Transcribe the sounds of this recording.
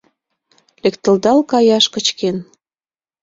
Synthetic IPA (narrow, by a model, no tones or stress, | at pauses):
lekt̪ə̆ld̪ɑlkɑjɑʃkə̆t͡ɕken